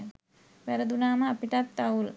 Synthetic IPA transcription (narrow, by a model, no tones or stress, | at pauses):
ʋæɾəd̪unaːməapiʈat̪ːaul